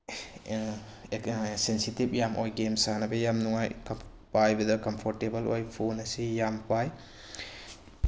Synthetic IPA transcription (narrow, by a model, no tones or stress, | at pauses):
sensitip̚jamʔojɡemsanɐbɐjamnuŋajkɐ | pajbɐdɐkɐmpʰoɾtebɐlojpʰonɐsijampaj